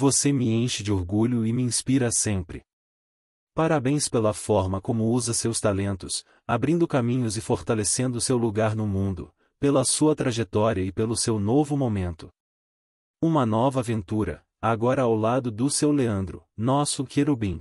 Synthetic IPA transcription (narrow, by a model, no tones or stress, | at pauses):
vosemɪẽʃɪd͡ʒɪoɾɡuʎʊɪmɪĩspiɾɐsẽmpɾɪ̰ | paɾabẽj̃spelɐfɔɾmɐkõmʊuzɐsewst̪alẽnt̪ʊs | abɾĩnd̪ʊkamĩɲʊzɪfoɾt̪alesẽnd̪ʊsewluɡaɾnʊmũnd̪ʊ̰ | pelɐsuɐt̪ɾaʒet̪ɔɾiɐɪpelʊsewnovʊmomẽnt̪ʊ̥ | ũmɐnɔvɐavẽnt̪uɾɐ̰ | aɡɔɾɐawlad̪ʊd̪ʊsewleɐ̃nd̪ɾʊ̰nɔsʊkeɾubĩ